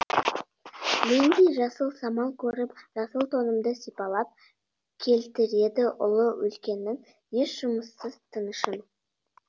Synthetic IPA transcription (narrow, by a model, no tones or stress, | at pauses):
mend̪ejʒɑsəlˠsɑmɑlˠkʲʰɵɾɪpʒ̥ɑsəlˠt̪ʰo̞nəmd̪əsijpɑlˠɑp̚ | kʲʰe̞lt̪ɪɾe̞d̪ɪʔʊlˠəwɵ̰lkʲe̞nːɪŋ | je̞ʃʒ̥ʊməsːəz̥t̪ʰənəʃən